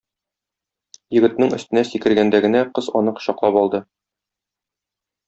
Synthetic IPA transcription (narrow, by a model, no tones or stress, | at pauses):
jɵ̆ɡɘ̆t̪nɘŋɵ̆st̪ɘ̆næsikɘ̆ɾɡænd̪æɡɘ̆næqɤzɒ̰nɤqɕɒqlˠɑpɒlˠd̪ɤ